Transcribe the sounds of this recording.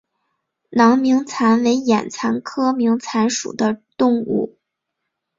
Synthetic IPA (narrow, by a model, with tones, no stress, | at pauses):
nɑ˧˥ŋmi˧˥ŋt͡sʰa˧˥nwe˧˥ɪjɛ˨˩nt͡sʰa˧˥nkʰɤ˥mi˧˥ŋt͡sʰa˧˥nʂṵ˨˩d̪ə˦t̪ʊ˥˧ŋṵ˥˩